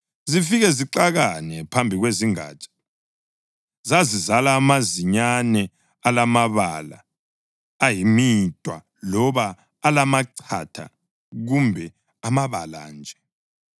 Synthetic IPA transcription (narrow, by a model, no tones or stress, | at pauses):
zifiɣɛziǀaɣanɛpʰambʱiɣweziŋa̰ːt͡ʃʼḁ | zazizalaːmaziɲanɛ | alamaβala̰ː | jimitʼwa̰ | lɔβaː | lamaǀʰa̰tʰa̰ | ɣumbʱɛ | amaβa̰la̰ːnd͡ʒʱɛ